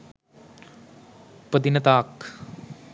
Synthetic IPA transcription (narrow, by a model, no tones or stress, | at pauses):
pəd̪inɐt̪aːk